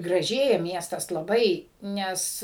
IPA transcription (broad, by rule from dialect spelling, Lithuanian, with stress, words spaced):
ɡrɐˈʒʲeːjɛ ˈmʲiɛstɐs lˠɐˈbɐɪ ˈnʲɛs